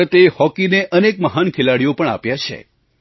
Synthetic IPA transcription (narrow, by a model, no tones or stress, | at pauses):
ət̪ehɔkineʔənekməɦankʰelaɽijopəɳa̰pjat͡ʃʰḛ